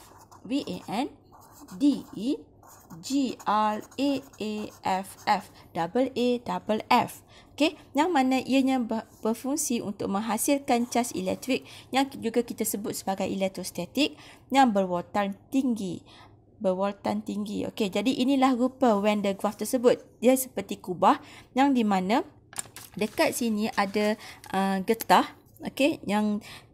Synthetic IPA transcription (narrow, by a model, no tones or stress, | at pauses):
wiʔeʔɛn | dii | d͡ʒialeʔeʔɛfɛfd̥abəlʔedabəlɛf | okejaŋmãnãʔiəɲãbəb̥əfuŋsiʔṵnt̪ʊk̚mə̃ŋɦasilkant͡ʃasḭlɛ̰k̚t̪ɾik̚jaŋd͡ʒuɡakit̪asəbʊt̪̚səbaɡajʔḭlɛk̚t̪ɾost̪at̪ik̚ | jaŋbərwot̪ant̪iŋɡi | bərwot̪ant̪iŋɡiʔo̰ked͡ʒadiʔinĩlahɾupəwɛndəɡwaft̪ərsəbʊt̪̚iəsə̥pərt̪ikubahjaŋdimãnã | dəkat̪̚sinĩʔadaʔəɡət̪ah | ʔokejaŋ